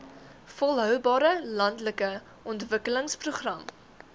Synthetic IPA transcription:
fɔlˠɦœwbɑːɾəlɐntləkə | ʔɔntvəkələŋspruχrɐm

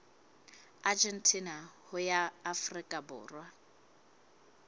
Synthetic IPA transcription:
ad͡ʒɛn̩tʰinahʊjaːfrikʼabʊ̰ːrwa

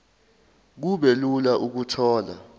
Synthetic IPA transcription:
k̬uɓɛlulaʔuk̬utʰɔːla̰

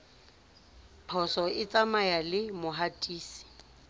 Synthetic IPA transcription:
pʰɔsɔʔɪt͡sʼamajalɪmʊɦatʼiːsi̥

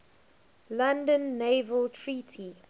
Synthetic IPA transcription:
lãndə̃nːeːvəltʰɹitʰi

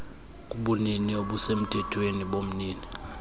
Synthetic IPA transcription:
kʼuɓuninioɓusem̩tʰʼɛtʰweniɓom̩niːni

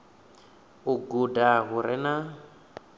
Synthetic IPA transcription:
ʊɡudaɣʊɾɪ̰na

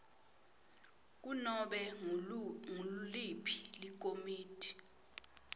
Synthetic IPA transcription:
k̬unɔɓɛ | ŋulipʰi̥lik̬omiːtʰi̥

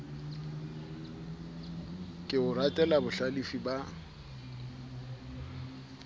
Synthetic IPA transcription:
kʼɪʊratʼɛlabʊɬalifiba

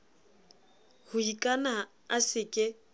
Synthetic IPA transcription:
hʊikʼana | asɪkʼɪ

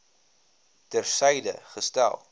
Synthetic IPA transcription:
tərsɛjdə̰χəstɛ̰lˠ

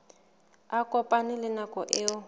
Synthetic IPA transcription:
akʼɔpʼanɪlɪnakʼɔʔɪʊ

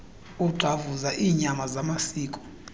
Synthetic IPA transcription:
uǀʱavuzaʔiːɲamazamasiːkʼɔ̥

